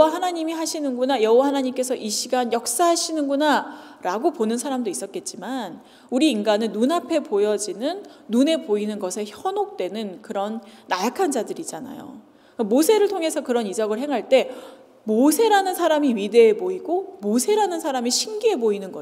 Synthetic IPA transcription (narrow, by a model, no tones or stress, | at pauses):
aɦanaɲimiɦaɕʰinɯnɡunajʌɦuwahanaɲimk͈e̞sʰʌʔiɕʰiɡanjʌk̚s͈aɦaɕʰinɯnɡuna | ɾaɡoponɯnsʰaɾamdois͈ʌt̚k͈e̞t̚t͡ɕ͈iman | uɾiːnɡanɯnːunapʰe̞pojʌd͡ʑinɯnː | une̞poinɯnɡʌsʰe̞çjʌnok̚t͈we̞nɯnkɯɾʌnːajakʰand͡ʑadɯɾid͡ʑana̰jo̰ | amosʰe̞ɾɯɭtʰoŋe̞sʰʌkɯɾʌnid͡ʑʌɡɯɭɦe̞ŋɦaɭt͈e̞ | mosʰe̞ɾanɯnsʰaɾamiɥide̞ːboiɡomosʰe̞ɾanɯnsʰaɾamiɕʰinɡiɦe̞boinɯnɡʌ